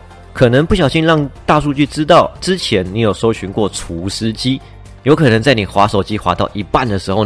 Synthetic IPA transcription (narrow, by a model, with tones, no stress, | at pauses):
kʰɤ˨˩nə˧˦ŋpu˥˩ɕ̬jɑ˨˩ʊɕi˥˧nɻɑ˥˧ŋt̪a˥˧ʂu˥˧t͡ɕy˥˩ʈ͡ʂɻ̩˥t̪ɑ˥˨ʊʈ͡ʂɻ̩˦t͡ɕʰjɛ˧˥nni˨˥jo˨˩ʊʂo˥ʊɕy˧˥nkwɔ˥˩ʈ͡ʂʰu˧˥ʂ̩˥t͡ɕi˥ | jo˧˥ʊkʰɤ˨˩nɤ˧˦ŋt͡sa˥˩ɪni˨˩xwa˧˥ʂo˨˩ʊt͡ɕi˥xwa˧˥t̪ɑ˥˩ʊʔi˧˥pa˥˨nd̪ə˩ʂɻ̩˧˥xo˥˧ʊ